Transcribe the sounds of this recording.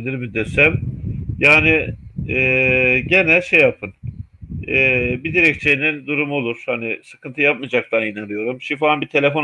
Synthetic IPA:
lʲiɾbid̪esæmjaːnɪɛːɟe̞nælʲʃe̞japʰɯn | ɛːbid̪iɾɛct͡ʃʰenind̪uɾumo̞lˠuɾ̥hanɪsɯ̥kɯnt̪ʰɯjap̚mad͡ʒak̚t̪ʰanɯnanɯjo̞ɾumʃimfaanbit̪ʰe̞lʲefo̞n

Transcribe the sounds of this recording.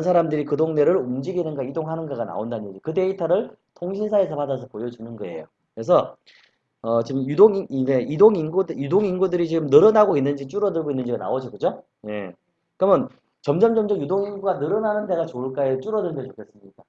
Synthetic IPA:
ns̬ʰaɾamdɯɾikɯdoŋne̞ɾɯɾumd͡ʑiɡinɯnɡaidoŋɦanɯnɡaɡana̰ondanːɯɲd͡ʑikɯte̞itʰaɾɯɭ | tʰoŋɕʰinsʰae̞sʰʌpadas̬ʰʌpojʌd͡ʑunɯnɡʌe̞̰jo | kɾe̞s̬ʰʌ | ʌt͡ɕimjudoŋiideidoŋinɡudjudoŋinɡudɯɾit͡ɕiɡɯmnɯɾʌnaɡoinːɯnd͡ʑit͡ɕ͈uɾʌdɯɭɡoinːɯnd͡ʑiɡana̰od͡ʑʌkɯd͡ʑo | je̞̰ | kɯɾɯmjʌn | t͡ɕʌmd͡ʑʌmd͡ʑʌmd͡ʑʌmjudoŋinɡuɡanɯɾʌnanɯnde̞ɡat͡ɕoɭk͈aet͡ɕ͈uɾʌdɯnɡet͡ɕokʰes͈ɯmɲik͈a

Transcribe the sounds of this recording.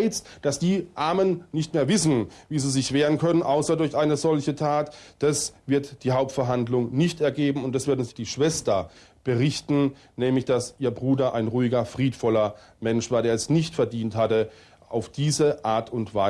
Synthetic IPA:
ɪt͡std̥asd̥iːʔaːɐmənnɪçtmeːɐvɪsn̩viːziːzɪçv̥eːʁənkʰœnənʔaʊsɐdʊɐçʔaɪnəzɔlçətʰaːtd̥asv̥ɪɐtd̥iːɦaʊp̚tfɛɐɦandlʊŋnɪçtɛɐɡeːbm̩ʊntd̥asv̥ɪɐdn̩zd̥iːʃv̥ɛstɐ | b̥əʁɪçtn̩ | nɛːmlɪçd̥asʔiːɐbʁuːdɐʔaɪnʁuːɪɡɐfʁ̥iːtfɔlɐ | mɛnʃv̥aːɐdeːɐɛsnɪçtfɛɐdiːnthatə | ʔa̰ʊfd̥iːzəʔaːɐtʰʊntv̥aɪ

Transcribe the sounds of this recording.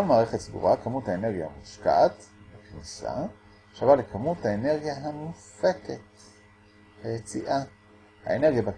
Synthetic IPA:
olmaːʁeχet̪sɡṵʁakamuthaeneʁɡjaha̰muʃka̰tvakniʃa̰ | ʃavalekʰamuthaene̞ʁɡjaɦamufeket | hajet͡siʔa | ha̰ene̞ʁɡjaba

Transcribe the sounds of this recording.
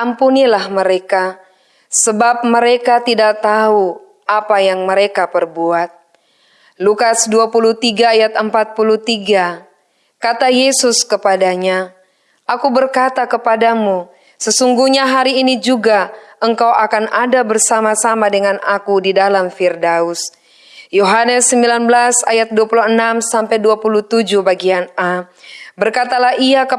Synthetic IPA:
ampunilahməɾeka | səbap̚məɾekat̪idak̚t̪au | apajaŋməɾekapərbuat̪̚ | lukasduapulut̪iɡaːjat̪̚əmpat̪̚pulut̪iɡa | kat̪ajesʊskəpadaɲa | ʔakubərkat̪akəpadamu | səsuŋɡuɲaɦaɾiːnid͡ʒuɡaəŋkawʔakanadabərsamasamadəŋanakudidalamfirdaus | joɦanəsːəmbilanbəlasa̰jat̪̚duapuluɦənamsampajduapulut̪ud͡ʒubaɡiana | bərkat̪alahiakə

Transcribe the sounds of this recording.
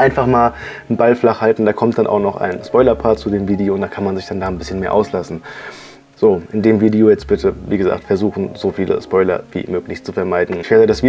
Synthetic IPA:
ʔaɪnfaχmaːl | nbalflaχhaltn̩d̥aːkʰɔmtd̥anʔaʊxnɔχa̰ɪnspɔʏlɐpʰaːɐtt͡sudeːmviːdeoːʊntd̥aːkʰanmanzɪçd̥andaːnbɪsçənmeːɐʔa̰ʊslasn̩ | z̥oːʔɪndeːmviːdiojɛt͡st̚b̥ɪtʰəviːɡəza̰ːk̚tfɛɐzuːxn̩zofiːlə̰spɔʏlɐ̰vḭːmøːklɪçt͡sufɛɐmaɪdn̩nfɛːʁədɛsv̥iː

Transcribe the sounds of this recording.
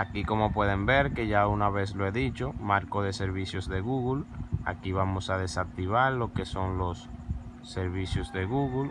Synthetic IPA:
akiko̞mo̞pwe̞ð̞e̞mbe̞ɾke̞ʝaunaβe̞θloe̞ðit͡ʃo̞maɾkoðe̞se̞ɾβiθjozðe̞ɣuɣula̰kiβamo̞sað̞e̞sak̚t̪iβ̞aɾlo̞ke̞so̞ŋlo̞sː | e̞ɾβiθjozðe̞ɣuɣul

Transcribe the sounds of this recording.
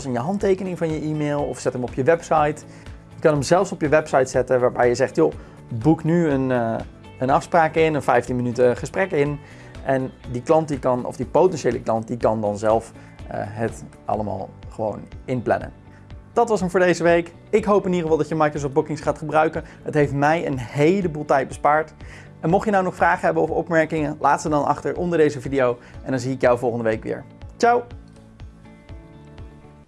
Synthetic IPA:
sɪnjəɦɑntejkənɪŋvɑnjəʔiːmeːlˠɔ̰fsɛtɦəmɔpjəʋɛpsɑjt | jəkɑnəmzɛlˠfsɔpjəʋɛpsɑjtsɛtəʋaːɹbɛjəzɛχtjo | buknyən | ənɑfspraːkɪnənfɛjftinmənytəχəsprɛkɪn | ʔɛndiklɑnt̚dikɑnɔ̰fdipowtɛnʃejləklɑnt̚dikɑndɑnzɛlˠf | ə̰ɦət | ɑ̰ləma̰ːlˠχəʋo̰wnɪnplɛ̰nə̰n | d̥ɑtʋɑsəmvʊːɹdejzəʋejk | ɪkɦowpɪnidəχəvɑlˠdɑtjəmɑjkrəs̬ɔftbukɪŋsχaːtχəbrœɥkənɦətɦejftmɛjə̰nhejləbuːlˠtɛjt̚bəspaːɹt | ɛnmɔχjənawnɔχfraːχəɦɛbənɔfɔ̰pmɛɹkɪŋənlʔaːtsədɑnɑ̰χtəɹʔɔndəɹdejzəvidiowʔɛndɑnziɪkjawvɔlˠχəndəʋejkʋɪ̰ːɹt͡ʃaw

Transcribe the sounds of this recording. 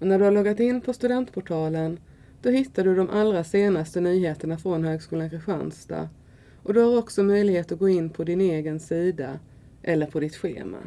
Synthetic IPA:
ɔnæɖɵhaɾɭɔɡːat̪ɪnːpʰɔst̪ɵd̪ɛnt̪pʰʊʈʰɑːlən | d̪̥ɔɦɪt̪ːaɖɵd̪ɔmʔalɾaseːnast̪ənyːɦeːt̪əɳafɾɔnɦøːɡskuːlankʰɾɪɧa̰nst̪a̰ | ʔɔd̪ɵhaɾɔksɔmœjlɪɡheːt̪ɔɡoːɪnːpʰɔd̪ɪneːɡənsiːd̪a | ʔɛlːəɾpʰɔd̪ɪt̪ɧḛːma̰

